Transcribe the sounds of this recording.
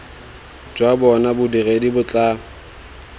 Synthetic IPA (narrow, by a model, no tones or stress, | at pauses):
d͡ʒwabɔnabʊdiredibʊt͡ɬʼa